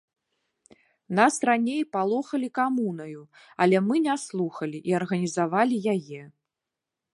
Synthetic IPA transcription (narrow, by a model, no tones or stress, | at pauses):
nasranʲejpalˠɔxɐlʲikamunɐju | ɐ̰lʲɛmɨnʲaslˠuxɐlʲiʔiɐrɣɐnʲizavalʲijajɛ